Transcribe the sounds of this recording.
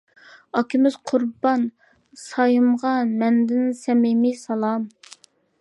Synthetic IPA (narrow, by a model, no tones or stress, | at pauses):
ɑkʲʰimɪz̥qʰʊɾbɑn | sɑjɨmʁɑmɛnd̪ɪnsɛmɪmisɑlˠɑm